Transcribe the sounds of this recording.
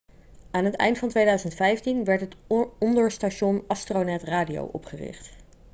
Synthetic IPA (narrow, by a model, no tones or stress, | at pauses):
aːnɦətɛ̰jntfɑntʋejdœɥzəntfɛjftinʋɛɹtətɔndəɹstaʃɔnɑstronɛtraːdijo̰wʔɔ̰pχərɪ̰χt